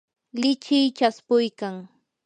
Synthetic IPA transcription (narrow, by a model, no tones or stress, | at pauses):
lɪt͡ʃɪjt͡ʃaspʊjkaŋ